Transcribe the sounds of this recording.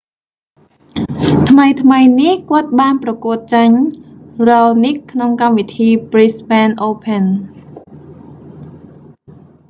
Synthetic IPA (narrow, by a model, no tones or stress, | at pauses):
t̪ʰməjt̪ʰməjnihkŏət̪̚ɓaːnprɑkuət̪̚t͡ɕaɲ | rɑːnikʰnoŋkamʋit̪ʰiːprispɛːnʔoːpʰən